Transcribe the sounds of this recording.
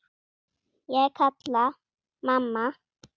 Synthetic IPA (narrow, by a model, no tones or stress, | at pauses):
jakʰatla | mamːa